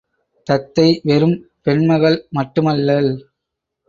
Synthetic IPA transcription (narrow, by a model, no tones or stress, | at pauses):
t̪ɐt̪ːɐɪʋɛɾɯmpɛɳmɐɣɐɭmɐʈːɯmɐlːɐl